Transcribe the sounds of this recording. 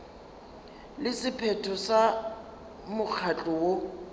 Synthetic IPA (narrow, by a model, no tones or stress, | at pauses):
lɪsɪpʰɛtʰɔsa | mʊk͡xʰat͡ɬʼɔwo